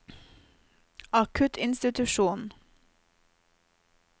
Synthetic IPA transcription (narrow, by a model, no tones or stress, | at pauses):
ɑkʰʉt̪ʰɪnst̪ɪt̪ʉʃuːn